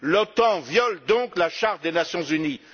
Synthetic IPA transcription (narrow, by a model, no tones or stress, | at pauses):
lɔt̪ɑ̃vjɔld̪ɔ̃klaʃaʁt̪̚d̪enasjɔ̃zyni